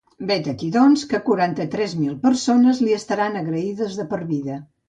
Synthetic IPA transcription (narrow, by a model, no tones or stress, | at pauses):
bet̪əkiðɔnskəkuɾant̪ət̪ɾɛzmilˠpəɾsonəzliəst̪əɾanəɣɾəiðəzðəpəɾβiðə